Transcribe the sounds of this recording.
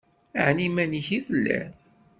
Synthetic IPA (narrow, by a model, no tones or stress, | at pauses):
a̰ʕnimæniçiθəlːæ̰n